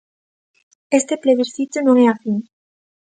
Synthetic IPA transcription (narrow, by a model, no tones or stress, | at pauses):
est̪epleβiɾθit̪onõŋeafiŋ